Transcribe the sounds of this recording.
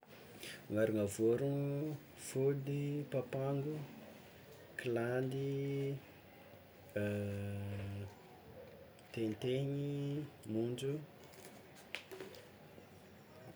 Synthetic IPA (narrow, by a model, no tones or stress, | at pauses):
ŋaɾuŋavoɾun | fud̪ipapaŋɡu | kiland̪i | t̪enit̪eɲimund͡ʒu